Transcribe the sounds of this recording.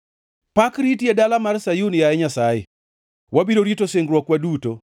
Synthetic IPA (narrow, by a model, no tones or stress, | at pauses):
pakɾitjedalamarsajunjaɛɲasajɛ̰ | wʔabidoɾitoseŋɡɾwɔkwaduto